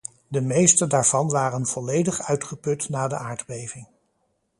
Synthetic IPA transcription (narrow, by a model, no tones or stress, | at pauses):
dəmejstədaːɹv̥ɑnʋaːrənv̥ɔlejdəχœɥtχəpɵtnaːdə̰ʔaːɹdbejvɪŋ